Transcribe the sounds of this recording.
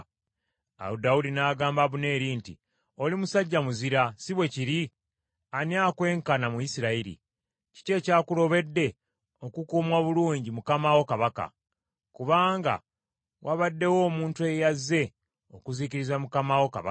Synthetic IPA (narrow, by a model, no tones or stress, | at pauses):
a̰udawudinaːɡaːmbaβune̞ːɾiːntḭ | olimusaɟːamuziɾasiβwe̞ciɾi | aniaːkwe̞ːŋkanamuisiɾaiɾḭ | ci̥ce̞ːcaːkulo̞βe̞dːe̞ | o̞kukuːmwaβuluːɲɟimukamawo̞kaβaka̰ | kuβaːŋɡa̰ | wʔaβadːe̞wo̞ːmuːntue̞jazːe̞ | okuziciɾizamukamawo̞kaβa